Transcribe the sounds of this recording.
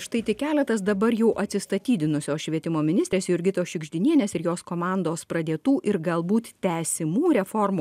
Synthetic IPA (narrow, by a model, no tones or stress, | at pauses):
ʃt̪ɐɪt̪ʲɪkʲæːlʲɛt̪ɐs̬d̪ɐbɐɾjɛʊʔɐt̪ʲsʲɪst̪ɐt̪ʲiːd̪ʲɪnʊsʲoːsʃʲʋʲiɛt̪ʲɪmoːmʲɪnʲɪsʲt̪ɾʲeːsjʊɪɾʲɡʲɪt̪oːsʃʲɪɡʒʲd̪ʲɪnʲiɛnʲɛsɪɾjoːskoːmɑnd̪oːspɾɐd̪ʲeːt̪uːʔɪɾɡɐlˠbuːt̪t̪ʲæːsʲɪmuːɾʲɛfoːrmuː